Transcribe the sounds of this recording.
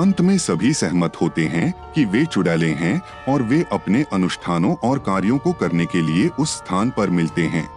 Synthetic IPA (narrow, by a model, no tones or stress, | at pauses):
ɐ̃nt̪mẽsɐbʱisɛɦmət̪hoːt̪eɦɛ̃kiʋet͡ʃʊɽaːlẽɦɛ̃ | ɔːɾʋeʔɐpneʔɐnʊʃt̪ʰaːnõʔɔːɾkaːɾjõkokɐɾnekelieʔʊsːt̪ʰaːnpɐɾmɪlt̪eɦɛ̰̃ː